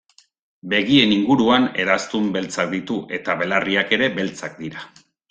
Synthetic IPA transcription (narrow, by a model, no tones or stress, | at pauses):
be̞ɣie̞niŋɡuɾuane̞ɾast̪umbe̞lt͡sak̚d̪it̪uʔe̞t̪aβe̞lariake̞ɾe̞be̞lt͡sak̚d̪iɾa